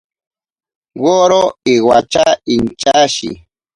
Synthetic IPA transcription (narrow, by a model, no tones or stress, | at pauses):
woːɾoiwat͡ʃaint͡ʃaʃḭ